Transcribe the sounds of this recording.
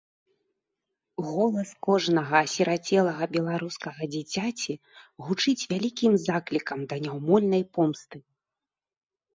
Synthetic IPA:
ɣɔlˠɐskɔʐnɐɣɐːsʲiɾat͡sʲɛlˠɐɣɐbʲɛlˠaɾuskɐɣɐd͡zʲit͡sʲat͡sʲi | ɣut͡ʂɨt͡sʲvʲalʲikʲimzaklʲikɐmd̪ɐnʲawmɔlʲnɐjpɔmst̪ɨ

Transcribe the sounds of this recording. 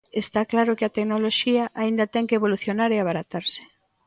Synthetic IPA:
est̪aklaɾʊkɪat̪eknoloʃiaʔaind̪ɐt̪ɛŋkeeβoluθjonaɾeaβ̞aɾat̪aɾsɪ̥

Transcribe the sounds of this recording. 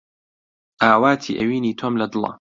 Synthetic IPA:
ʔaːwaːt̪ʰḭːʔɐwiːniːt̪ʰomlɐd̪ɨlˠɐ̰

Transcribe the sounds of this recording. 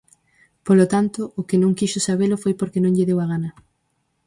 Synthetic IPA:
polot̪ant̪ʊʔʊkenõŋkiʃʊsaβ̞elʊfojpoɾkenõŋʎɪðewaɣ̞anɐ

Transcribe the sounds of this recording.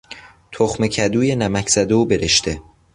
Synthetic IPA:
t̪ʰoxmecʰæd̪uːjenæmæcʰz̥æd̪e̞uːbe̞ɾeʃt̪e̞

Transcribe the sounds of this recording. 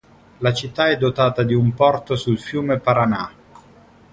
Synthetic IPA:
lat͡ʃit̪ːaɛd̪ːot̪aːt̪ad̪iumpɔrt̪osulfjuːmepaɾana̰kːo̥

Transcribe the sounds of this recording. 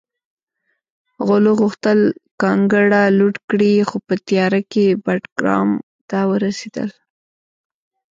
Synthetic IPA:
ɣoloɣuxt̪əlkɑŋɡəɽaluʈkɽixopət̪jɑɾakebaʈɡɾɑ̰m | t̪awəɾased̪ə̰l

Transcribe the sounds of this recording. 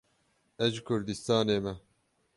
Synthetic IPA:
ɛʒɨkʰʊɾd̪ist̪ɑːneːmɛ

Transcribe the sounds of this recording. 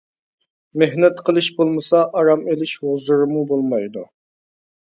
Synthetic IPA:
meɦnɛt̪qʰəlˠɨʃbolˠmɨsɑʔɑɾɑmelɪʃhozɨɾɨmubolˠmɑjd̪u

